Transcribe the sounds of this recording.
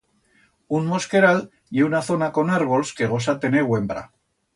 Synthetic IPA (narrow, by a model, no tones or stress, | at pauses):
unmo̞ske̞ɾal | jeunaθo̞nako̞naɾβ̞olske̞ɣ̞o̞s̬at̪e̞newe̞mbɾa̰